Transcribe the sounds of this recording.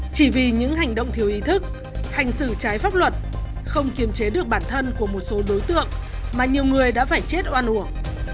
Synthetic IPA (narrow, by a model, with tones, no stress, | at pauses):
t͡ɕi˧˩vi˨˩ɲɨ̰˧˥ŋɦa˨˩jŋ̟ɗə̰˧˨wŋ͡mt̪ʰi˨˩əwʔi˨˦t̪ʰɨ˦˥k̚ | ha˨˩jŋ̟sɨ̰˧˩t͡ɕaː˨˦jfaː˦˥p̚lwə˨˩t̚xə˧wŋ͡mki˨˩˦əmt͡ɕe˨˦ɗɨ˨˩ək̚ɓaː˧˩nt̪ʰə˧nku˧˩əmo˨˩t̚so˨˦ɗo˨˦jt̪ɨ̰˧˨əŋmaː˨˩ɲi˨˩əwŋɨ˨˩əjɗa̰ː˧˥faː˧˩jt͡ɕe˦˥t̚ʔwaː˧nʔu˧˩əŋ